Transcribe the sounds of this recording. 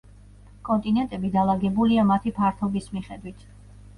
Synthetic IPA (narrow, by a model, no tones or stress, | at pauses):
kʼɔnt̪ʼinɛnt̪ʼɛbid̪alˠaɡɛbuliamat̪ʰipʰaɾt̪ʰɔbismiχɛd̪wit̪ʰ